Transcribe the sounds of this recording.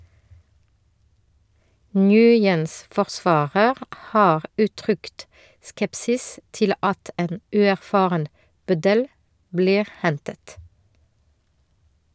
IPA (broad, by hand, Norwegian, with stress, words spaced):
ˈŋjʉːjəns fɔʁˈsʋɑːɾəʁ ˈhɑːʁ ˈʉːˌtʁʏkt ˈskɛpsɪs ˈtɪl ˈɑt ˈeːn ˈʉːæʁˌfɑːʁən ˈbœdəl ˈbliːʁ ˈhɛntət